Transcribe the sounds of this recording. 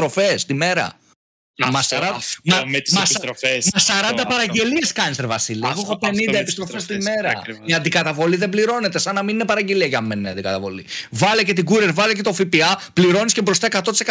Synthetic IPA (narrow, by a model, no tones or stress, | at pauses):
t̪ɾo̞fest̪ime̞ɾɐ̰ | ɐsɐɾɐmɐmsmɐsɐɾɐnd̪ɐpɐɾɐɟe̞lie̞skɐnseɾvɐsiliɐɣoexopenind̪ɐepist̪ɾo̞fest̪ime̞ɾɐiɐnd̪ikɐt̪ɐvo̞liðe̞bliɾo̞ne̞t̪e̞sɐnːɐmininepɐɾɐɟe̞liɐcɐmmenineɐ̰nd̪ikɐt̪ɐvo̞̰lḭvɐlece̞t̪iɡuɾeɾvɐlece̞t̪o̞fipiɐpliɾo̞niscebɾo̞st̪ɐekɐt̪o̞t̪ise